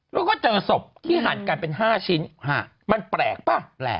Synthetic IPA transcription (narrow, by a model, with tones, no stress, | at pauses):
lɛː˦˥kɔː˥˩t͡ɕɤː˧so˨˩p̚t̪ʰiː˥˩ɦaː˨˩˦nkaː˧jpe˧nɦaː˥˩t͡ɕʰi˦˥nha̰˧˩ | ma˧npɾɛː˨˩k̚paː˥˩plɛ̰ː˨˩